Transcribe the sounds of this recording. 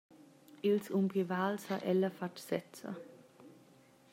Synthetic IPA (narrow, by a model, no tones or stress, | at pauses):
ilsʊmpʁivaːlshaʔɛləfatsɛt͡sə̰